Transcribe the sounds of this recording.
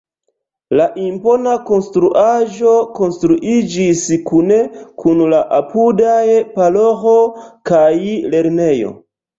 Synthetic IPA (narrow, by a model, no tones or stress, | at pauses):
laʔimpo̞nako̞nstɾuʔaʒo̞ko̞nstɾuʔid͡ʒiskune̞kʰunlaʔapudajpalo̞xo̞kajle̞ɾne̞jo̞̰